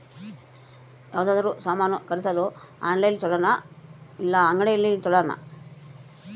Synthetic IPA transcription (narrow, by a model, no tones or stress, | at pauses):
jaːʋd̪aːd̪ɐɾusaːmaːnukɐɾit̪alo | a̰ːnlɐjlt͡ʃɔlːanailːaːŋɡɐɽejlːit͡ʃɔlːaːna̰